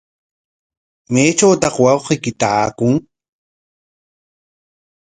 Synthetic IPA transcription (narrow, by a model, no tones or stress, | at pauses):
mejt͡ʃawt̪ɑχwɑwqejkɪt̪aakʊŋ